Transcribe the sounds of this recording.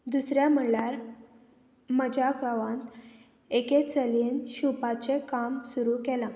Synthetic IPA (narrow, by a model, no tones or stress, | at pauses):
d̪usɾjam̤əlaɾ | məd͡ʑʱaɡaʋãnt̪ | eket͡səlinɕupat͡ɕekamsuɾukɛlã